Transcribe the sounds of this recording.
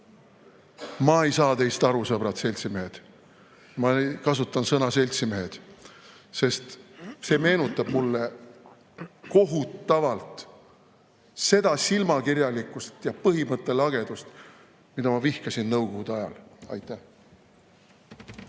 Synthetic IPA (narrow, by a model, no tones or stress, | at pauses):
mɑe̞jsɑːt̪e̞jst̪ɑɾusɤb̥ɾɑt̪se̞lʲt̪simeɦed̪̥ | mɑekɑsut̪ːˑɑnsɤnɑse̞lʲt̪sime̞ɦed̪̥ | se̞st̪se̞ːme̞ːnut̪ːˑɑb̥mulːe̞ | ko̞ɦut̪ːɑvɑlt̪ | se̞d̪̥ɑsilmɑkirjɑlikːˑust̪jɑpɤɦimɤt̪ːˑe̞lɑɡ̥e̞d̪̥ust̪ | mid̪ɑmɑvihkɑsinnɤwko̞ɡud̪̥ɑjɑ̰lɑ̰jt̪ːˑæh